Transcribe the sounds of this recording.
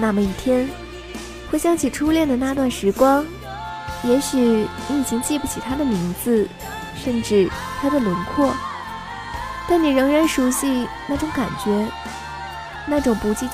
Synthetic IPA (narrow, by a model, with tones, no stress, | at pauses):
na˥˩mə˧i˥˩t̪ʰjɛ˥n | xwe˥˩ɪɕjɑ˥ŋt͡ɕʰi˨˩ʈ͡ʂʰu˥ljɛ˥˩nd̪ə˩na˥˧t̪wa˥˩nʂɻ̩˧˥kwɑ˥ŋ | jɛ˧˥ɕ̩˨˩˧i˥˩t͡ɕʰi˧˥ŋt͡ɕi˥˧pu˧˥˩t͡ɕʰi˨˩t̪ʰa˥d̪ə˨mi˧˥ŋd͡zɹ̩˧ | ʂə˥˧nʈ͡ʂɻ̩˥˩ | t̪ʰa˥d̪ə˨lə˧˥nkʰwɔ˥˩ | t̪a˥˩nni˨˩ɻɤ˧˥ŋɻa˧˥nʂu˧˥ɕi˥˧ | na˥˩ʈ͡ʂʊ˧˥ŋka˨˩nt͡ɕɥɛ˧˥ | na˥˩ʈ͡ʂʊ˨˩ŋpu˧˥t͡ɕi˥˩